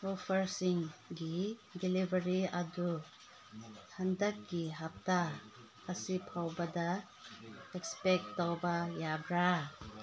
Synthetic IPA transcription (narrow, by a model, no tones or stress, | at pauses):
opʰɐɾsiŋɡidelibəɾiɐdu | handɐk̚ɡiɦap̚taː | sipʰawbɐdɐ | ekspek̚tːawbɐjabɾa